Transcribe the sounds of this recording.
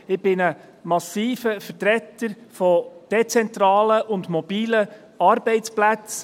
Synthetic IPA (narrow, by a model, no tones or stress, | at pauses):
ɪb̥ɪnə | mɑsiːfəfərtɾɛt̪ːəɾfɔd̥ɛt͡sɛnt̪ɾɑːləʔʊndmɔb̥iːlə | ɑɾbɛɪtt͡splæt͡s